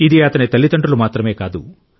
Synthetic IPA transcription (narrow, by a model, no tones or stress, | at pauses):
id̪iɐt̪ɐnit̪ɐlːit̪ɐɳʈulumaːt̪ɾɐme̞ːkaːd̪ṵ